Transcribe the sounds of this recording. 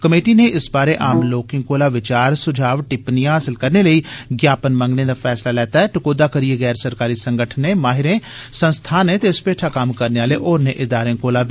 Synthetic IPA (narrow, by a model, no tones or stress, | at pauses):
kəmeːʈiːneʔɪsbaːɾeːʔaːmloːkɪ̃ŋɡkoːlaːʋɪt͡ʃaːɾsʊd͡ʒʱaːʋʈɪpnijãːɦaːsɪlkəɾneːləiːɡjaːpənmə̃ŋɡneːd̪aːpʰɛːslaːlɛːt̪aɛːʈəkoːd̪aːkəɾieːɣɛːɾsəɾkaːɾiːsə̃ŋɡəʈʰənẽːmaːɦɪɾẽːsə̃nst̪ʰaːnẽːt̪eːspeːʈʰaːkəmkəɾneːaːleːʔoːɾneːʔɪd̪aːɾẽːkoːlaː